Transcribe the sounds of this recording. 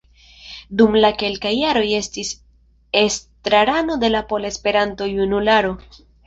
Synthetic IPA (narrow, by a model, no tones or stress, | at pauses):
dumlake̞lkajːaɾo̞je̞stis | e̞stɾaɾano̞de̞lapo̞lespe̞ɾanto̞junulaɾo̞